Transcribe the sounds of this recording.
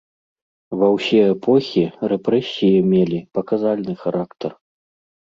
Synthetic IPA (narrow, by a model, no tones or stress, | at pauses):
vɐwsʲɛɛpʰɔxʲirɛpɾɛsʲijɛmʲelʲipɐkazalʲnɨxaɾʔakt̪ɐr